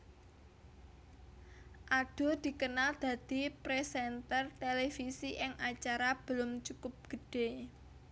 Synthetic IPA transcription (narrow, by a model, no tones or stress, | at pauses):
ʔaɖ̥o̤d̪̥i̤kənald̪̥ä̤d̪̥ipɾesɛnt̪ərt̪elefisiʔɪŋʔat͡ʃaɾab̥əlʊmt͡ʃukʊp̚ɡ̥ə̤ɖ̥e̤